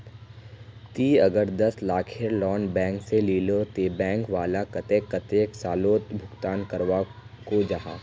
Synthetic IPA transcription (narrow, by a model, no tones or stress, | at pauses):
t̪iːɐɡəɾd̪ɐslaːkʰeɾlɔːnbɛ̃ːŋkseliːlot̪eːbɛ̃ːŋkʋaːlakɐt̪eːkːɐt̪eːksaːloːt̪bʱʊɡt̪aːnkɐɾʋakod͡ʒaɦa̰ː